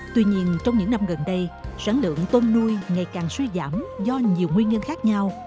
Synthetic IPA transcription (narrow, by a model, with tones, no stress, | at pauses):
t̪wi˧ɲi˧ənt͡ɕɔ˧wŋ͡mɲɨ̰˧˥ŋna˧mɣə˨˩nɗə˧jsaː˧˩nlɨ̰˧˨əŋt̪o˧nːu˧jŋa˨˩jkaː˨˩ŋswi˧za̰ː˧˩mzɔ˧ɲi˨˩əwŋwi˧ənɲə˧nxaː˦˥k̚ɲa˧w